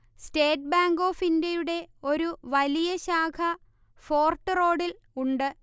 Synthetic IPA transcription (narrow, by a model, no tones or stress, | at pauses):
ste̞ːʈ̚baːŋɡo̞ːfindjɐjuɽe̞o̞ɾuʋɐlijɐɕaːkʰɐ | fo̞ːrʈːɨro̞ːɽil | uɳɖɨ